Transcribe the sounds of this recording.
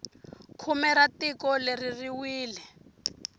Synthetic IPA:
kʰumɛɾatikɔleririwiːlɛ

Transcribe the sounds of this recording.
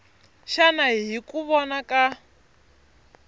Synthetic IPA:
ʃanaɦikuβɔnaka

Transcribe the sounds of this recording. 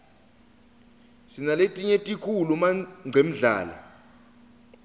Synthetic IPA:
sinaletʼiɲetʼikʰulumaŋ͡ǀʱem̩ɮa̰ːla̰

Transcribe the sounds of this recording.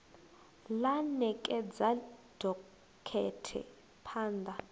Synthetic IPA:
lanɛkʼɛd͡zad̥ʱɔ | kʰɛtʰɛ̰ | pʰaːnd̪ʱa

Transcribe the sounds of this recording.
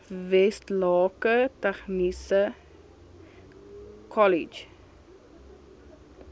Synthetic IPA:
vɛstlɑːkətɛχnisə | kʰɔlid͡ʒ

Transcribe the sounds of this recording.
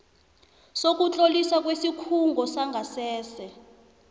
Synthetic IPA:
sok̬ʼut͡ɬʼolisak̬wesikʰuŋɡʱɔsaŋɡʱasɛːsɛ

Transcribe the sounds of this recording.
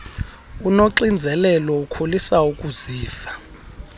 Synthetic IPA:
unoǁind͡zʱɛlɛlɔukʰolisaukʼuz̥iːfḁ

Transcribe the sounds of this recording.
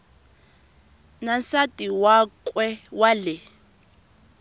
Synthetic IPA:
nansatʼiwakʼwɛwalɛ

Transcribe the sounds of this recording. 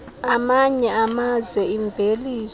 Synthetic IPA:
amaɲɛamazwɛiɱvʱeliː

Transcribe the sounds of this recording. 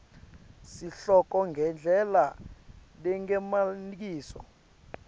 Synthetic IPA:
siɬɔk̬ʼɔŋɡʱɛnd͡ɮʱɛla | lɛŋɛmanik̬iːsɔ̰

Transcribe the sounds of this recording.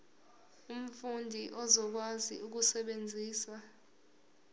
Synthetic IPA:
um̩fundʱiʔɔzɔk̬wazḭuk̬usɛɓend͡zʱiːsa

